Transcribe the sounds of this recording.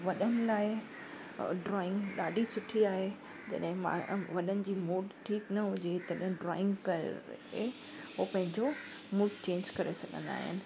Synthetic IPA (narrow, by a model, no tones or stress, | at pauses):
ʋɐɗənɪ̆laːɪ | ɖɾɔːɪ̃ŋɡɗaːɖʱisʊʈʰiaːɦe | d͡ʑɐ̰ɗɦɪ̃mã̰ʋɐɗənɪ̆d͡ʑiːmuːɖʈʰiːknɐɦʊd͡ʑet̪ɐɗɦɪ̃ɖɾɔ̰ːɪ̃ŋɡkɐ̰ɾ̰ɦe | ɦopɐ̃ɦɪ̃ɲd͡ʑo | muːɖt͡ɕẽːɲd͡ʑkɐɾesɐɠʱə̰̃nd̪a̰ːɦɪ̰nɪ̆